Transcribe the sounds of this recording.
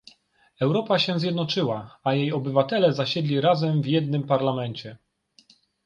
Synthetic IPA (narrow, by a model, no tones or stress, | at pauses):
ɛwɾɔpaɕɛzʲjɛd̪nɔt͡ʂɘwaajejɔbɘvat̪ɛlɛzaɕɛd̪lʲiɾazɛmvjɛd̪̚nɘmpaɾlamɛnt͡ɕɛ